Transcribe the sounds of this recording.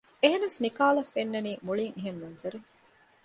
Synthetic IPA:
eɦenɐsnikaːlɐfenːɐniːmuɭiŋeɦemːɐnzɐɾu

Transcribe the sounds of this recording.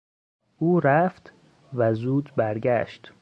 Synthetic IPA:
ʔuːɾæft̪ | væzuːd̪bæɾɡæ̰ʃt̪

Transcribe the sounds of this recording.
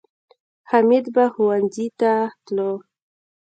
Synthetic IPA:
hamid̪baxʊwanzit̪at̪lo

